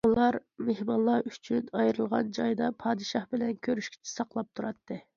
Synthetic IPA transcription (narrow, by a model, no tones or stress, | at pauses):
ulˠɑɾmehmɑlˠːɑyt͡ʃʰynɑjɾɨlˠʁɑ̰nd͡ʒɑjd̪ɑpʰɑːd̪ɨʃɑhbɪlɛnkʲʰøɾyʃkʲi̥t͡ʃʰi̥sɑqlˠɑp̚t̪ʰuɾɑt̪ːɨ